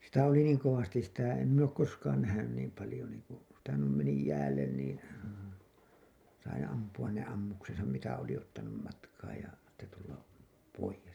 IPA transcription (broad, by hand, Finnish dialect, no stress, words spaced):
sitæ oli niːŋ koʋɑstis sitæ em min oːk koskɑːn næhænyn niːm pɑlĭjo niːŋku sitæ nuim meni jæːlːen niːn̞ sɑi ɑmpuɑn ne ɑmːuksesɑm mitæ oli otːɑnum mɑtkɑːj jɑ sitːe tulːɑ poijes